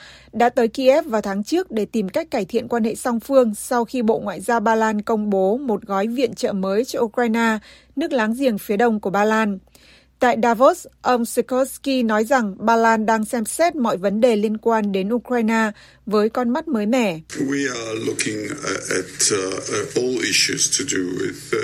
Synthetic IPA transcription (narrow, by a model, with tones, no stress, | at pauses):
ɗa̰ː˧˥t̪əː˨˦jki˧ʔɛ˦˥p̚vaː˨˩wt̪ʰaː˨˦ŋt͡ɕɨ˦˥ək̚ɗe˧˩t̪i˨˩mka˦˥jk̟̚kaː˧˩jt̪ʰḭ˧˨ənkwaː˧nhḛ˧˨sa˧wŋ͡mfɨ˧əŋsa˧wxi˧ɓo̰˧˨ŋwa̰ː˧˨jzaː˧wɓaː˧laː˧nkə˧wŋ͡mɓo˨˦mo˨˩t̚ɣɔ˨˦jvḭ˧˨ənt͡ɕə̰ː˧˨məː˨˦jt͡ɕɔ˧ʔu˧kwaː˧jnaː˧ | nɨ˦˥ək̚laː˨˦ŋzḭ˧˩əŋfi˨˦əɗə˧wŋ͡mku˧˩əɓaː˧laː˧n | t̪a̰ː˧˨jɗaː˧vo˦˥sʔə˧wŋ͡msi˧kɔ˦ski˧nɔ˨˦jza˨˩ŋɓaː˧laː˧nɗaː˧ŋsɛ˧msɛ˦˥t̚mɔ̰˧˨jvə˨˦nɗe˨˩li˧ənkwaː˧nɗe˨˦nʔu˧kɹaː˧jnaː˧ | vəː˨˦jkɔ˧nma˦˥t̚məː˨˦jmɛ̰˧˩˨wialʊkʰɪ̃ŋɛt | ɔliʃustʰuduwɪ̰ð